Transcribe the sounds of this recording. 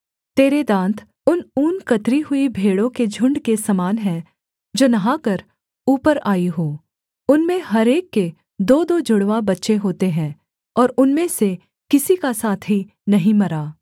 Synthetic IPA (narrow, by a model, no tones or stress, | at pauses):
t̪eːɾed̪ãːnt̪ʰ | ʊnuːnkɐt̪ɾiɦʊibʱeːɽõked͡ʒʱʊ̃ɳɖkesɐmaːnɦɛ̃ | d͡ʒoːnɐɦãkɐɾ | uːpəɾaːiɦoː | ʊnmẽɦɐɾeːkːe | d̪oːd̪od͡ʒʊɽʋabɐtːʃeɦoːt̪eɦɛ̃ː | ɔːɾʊnmẽse | kɪsikasaːt̪ʰɦi | nɐɦĩmɐɾaː